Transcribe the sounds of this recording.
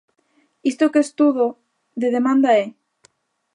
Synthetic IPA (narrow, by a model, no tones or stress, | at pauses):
ist̪okest̪uðo | ðeðemãnd̪ae